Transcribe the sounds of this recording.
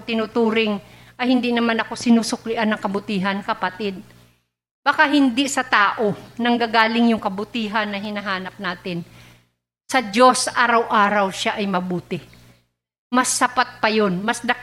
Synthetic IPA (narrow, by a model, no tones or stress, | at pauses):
t̪ɪnut̪uːɾɪŋ | ʔɐjhɪnd̪inɐmanɐko̞sɪnusʊklɪʔanːɐŋkɐbʊt̪iːɦɐnkɐpɐt̪ɪd̪̚ | b̥akaɦɪnd̪ɪsɐt̪aːʔo̞nɐŋɡaɡaːlɪŋjʊŋkɐbʊt̪iːɦanːɐɦɪnaɦaːnɐp̚naːt̪ɪn | sɐd͡ʒo̞sʔaːɾɐwʔaːɾɐwʃaʔɐjmɐbuːt̪ɪ | mɐsːɐpat̪̚pɐjonmɐsd̪ɐ